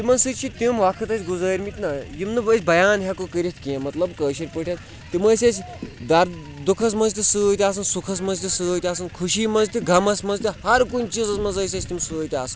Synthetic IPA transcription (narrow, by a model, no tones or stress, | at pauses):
t̪imɐnsɨt͡ʃʲt͡ʃʰit̪ʲimʋakʰɨt̪ɐt͡ʃʲɡuzɐːɾʲmit̪ʲnɐjimnɨbəːsʲbɐjaːnɦʲakokəɾʲit̪ʰʲkiẽmɐt̪lɐbkəːʃɐɾʲpəʈʰʲɐt̪ʲ | t̪iməːsʲɐsʰʲ | d̪ɐɾ | d̪ukʰɐs̬mɐnzʲt̪isɨːt̪ʲiaːsɨnsukʰɐs̬mɐnzʲt̪isɨəːt̪ʲaːs̬ɨnkʰuʃiːmɐnzʲt̪ʲiɡʱɐmɐsʲmɐnzʲt̪ʲihɐɾkunʲt͡ʃizɐsmɐnzəːsʲɐt͡ʃʰʲt̪imsɨːjt̪ʲiasɨn